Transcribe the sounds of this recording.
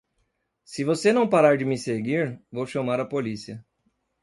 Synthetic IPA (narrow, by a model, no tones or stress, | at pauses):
sɪvosenɐ̃w̃paɾaɾd͡ʒɪmɪseɡiɾvowʃɐmaɾɐpolisiɐ